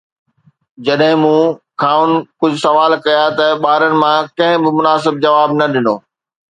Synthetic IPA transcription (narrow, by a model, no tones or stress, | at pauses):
d͡ʑɐɗɦɪ̃mũkʰaːʊn̆kʊd͡ʑʱʊsɐʋaːlkɐjat̪ɐɓaːɾənɪ̆mãkɐ̃ɦɪ̃bɪmʊnaːs̬ɪbd͡ʑɐʋaːbnɐɗɪnoː